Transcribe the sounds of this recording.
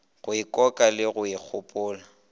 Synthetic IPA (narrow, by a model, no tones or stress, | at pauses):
ɣʊɪkʼɔkʼalɪɣʊik͡xʰʊpʼʊːla